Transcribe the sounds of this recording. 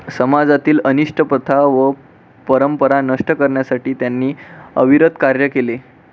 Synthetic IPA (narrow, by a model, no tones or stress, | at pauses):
səmad͡zat̪iːləniʂʈʰəpət̪ʰaʋə | pəɾəmpəɾanəʂʈəkəɾɳjasaʈiːt̪janːiːəʋiɾəd̪kaɾjəkele